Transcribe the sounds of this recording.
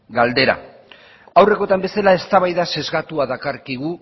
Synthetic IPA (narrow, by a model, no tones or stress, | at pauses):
ɡald̪e̞ɾa̰ | awre̞ko̞t̪ambe̞salae̞st̪aβ̞ajðase̞zɣat̪uaðakaɾkiɣ̞u